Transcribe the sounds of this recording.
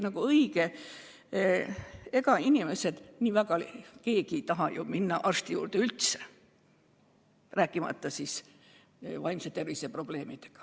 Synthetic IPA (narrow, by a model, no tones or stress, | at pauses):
nɑɡuɤiɡe | e̞kɑinʲime̞se̞d̪̥nʲiːvæɡɑlke̞ːkit̪ɑɦɑjuminːɑʔɑrst̪ijṵːrd̪̥eylt̪se̥ | ræːkˑːimɑ̰t̪ːɑsis | vɑjmset̪ervisepro̞b̥le̞ːmid̪̥e̥ɡ̥ɑ̥